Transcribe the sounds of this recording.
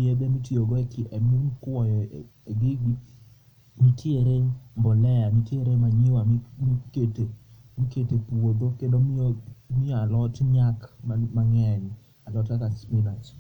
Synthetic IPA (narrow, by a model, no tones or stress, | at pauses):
jedɛmitjoɡɔɛkmkwɔjɔ | eɡɪɡi | mitjeɾembɔlɛjamitjeɾemaɲiwamkete | miketepuod̪okendommioalɔtɲakmamaŋɛn | alɔtakaspɪnat͡ʃ